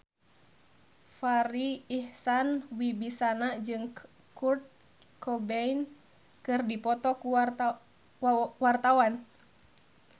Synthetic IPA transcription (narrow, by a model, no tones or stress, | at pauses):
faɾiːhsanwibisanad͡ʒɨŋ | kurt̪̚ | kɔbɛin | kɨrdipɔt̪ɔku | wart̪awan